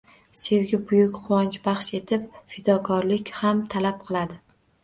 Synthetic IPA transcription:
se̞wɡʲɪbʊjʊkʲχʊwɒnt͡ʃbɑχʃe̞t̪ʰɪp̚fɪd̪ɒkʰɒɾlɪkʲhamt̪ʰalap̚qʰɨlˠad̪ɪ

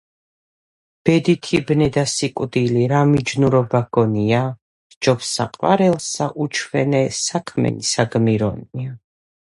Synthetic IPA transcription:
b̥ɛd̪it̪ʰibnɛd̪asikʼwd̪iliɾamid͡ʒnuɾɔbaɡ̥ɔnia | d͡ʒɔpsa̰qʼwa̰ɾɛlˠsaʔut͡ʃʰwɛ̰nɛsakʰmɛ̰nisaɡmiɾɔ̰nia

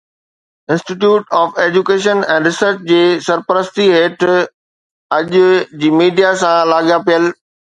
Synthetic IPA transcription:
ɪ̃nsʈiʈjuːʈɔːfeːd͡ʑukeːʃənɛ̃ːɾɪsəɾt͡ɕd͡ʑeːsɐɾpəɾəst̪iɦeːʈ | ɐʄʊd͡ʑiːmiːɖijasãlaːɠijapijəl

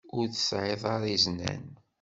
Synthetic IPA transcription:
ʊɾθə̥sʕeðˤɑɾˤiznæ̰n

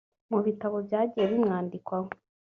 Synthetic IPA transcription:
muβitaβobjaːɟijeβimŋaːndikwaŋo

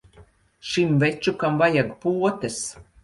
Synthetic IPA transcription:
ʃimvɛt͡ʃukamvajaɡpuɔt̪ɛs

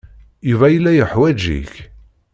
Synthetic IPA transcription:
juvæjəlːæjəħwæd͡ʒḭç

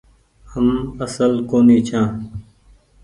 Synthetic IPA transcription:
həməsəlkoːniːt͡ʃʰãː

